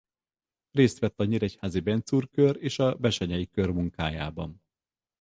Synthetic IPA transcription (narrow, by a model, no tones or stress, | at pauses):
reːst̪ʋɛt̪ːɒɲiɾɛchaːzibɛnt̪suːrkøɾeːʃɒbɛʃɛɲɛjikø̞rmuŋkaːja̰ːbɒn